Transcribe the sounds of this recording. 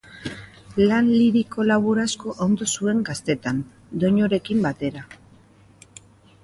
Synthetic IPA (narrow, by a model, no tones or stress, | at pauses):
lanliɾiko̞laβuɾasko̞ʔond̪o̞sue̞ŋɡast̪e̞t̪an | d̪o̞ɲo̞ɾe̞kimbat̪e̞ɾa